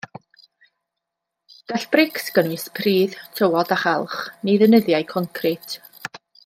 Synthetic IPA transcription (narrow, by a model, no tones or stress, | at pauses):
ɡ̥aɬb̥rɪksɡ̥ənispʰriːðtʰəwɔdaχalˠχnejðənəðjajkʰɔŋkʰrɪtʰ